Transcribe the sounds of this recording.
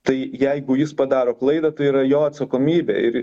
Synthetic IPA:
t̪ɐɪjɛɪɡʊjɪspɐd̪ɑːɾoːklˠɐɪd̪ɐt̪ɐɪiːɾɐjoːɐt̪sɐkoːmʲiːbʲḛːɪɾ

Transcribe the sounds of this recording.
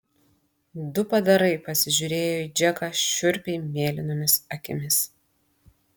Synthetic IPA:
d̪ʊpɐd̪ɐɾɐɪpɐsʲɪʒʲʊɾʲeːjoːid͡ʒʲɛkɑːʃʲʊɾʲpʲɛɪmʲeːlʲɪnoːmʲɪsɐkʲɪmʲɪs

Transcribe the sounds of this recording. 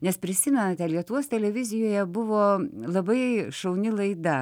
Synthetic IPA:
nʲɛspʲɾʲɪsʲɪmʲɛnɐt̪ʲɛlʲiɛt̪ʊʋuɔst̪ʲɛlʲɛʋʲɪzʲɪjoːjɛbʊʋoːlˠɐbɐɪʃɐʊnʲɪlˠɐɪd̪ɐ

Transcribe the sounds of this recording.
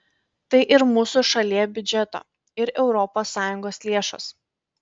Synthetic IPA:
t̪ɐɪʔɪɾmuːsʊʃɐlʲiɛbʲʊd͡ʒʲɛt̪o̰ː | ɪɾɛʊɾɔpoːsːɑːjʊŋɡoːslʲeɛʃo̰s

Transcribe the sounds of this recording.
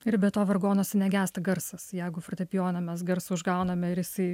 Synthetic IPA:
ɪɾbʲɛt̪oːʋɐrɡoːnoːsʲɛnʲɛɡʲæːst̪ɐɡɐɾsɐsjɛɪɡʊfɾt̪ʲɛpʲjoːnɐmʲɛs̬ɡɐɾsʊʊʒɡɐʊnɐmʲɛɪɾjɪsɐɪ

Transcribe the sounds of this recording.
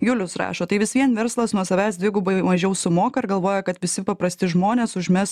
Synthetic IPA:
jʊlʲʊsɾɑ̰ːʃoːt̪ɐɪʋʲɪsʋʲiɛnʋʲɛɾslˠɐsnuɔsɐʋʲɛɪsd̪ʲʋʲɪɡʊbɐɪmɐʒʲɛʊsʊmoːkɐɪɾɡɐlˠʋoːjɛkɐt̪ʋʲɪsʲɪpɐpɾɐsʲt̪ʲɪʒmoːnʲeːsʊʒʲmʲɛs

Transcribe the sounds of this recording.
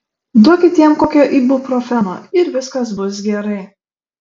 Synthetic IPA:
d̪okʲɪt̪ʲiɛmkoːkʲoʔiːbʊpɾɔfʲɛno̰ːɪɾʋʲɪskɐsbʊsɡʲɛɾɐɪ

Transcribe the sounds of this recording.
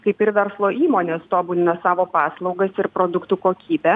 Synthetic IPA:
kɐɪpɪɾʋʲɛɾslˠoːʔiːmoːnʲeːst̪oːbuːlʲɪnɐsɑːʋoːpɑːslˠɐʊɡɐsɪɾpɾoːd̪ʊkt̪uːkoːkʲiːbʲɛ

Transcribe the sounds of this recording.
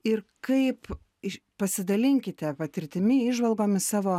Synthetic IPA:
ɪɾkɐɪp | pɐsʲɪd̪ɐlʲɪŋʲkʲɪt̪ʲɛpɐt̪ʲɪɾʲt̪ʲɪmʲɪiʒʋɐlˠɡoːmʲɪsɑːʋoː

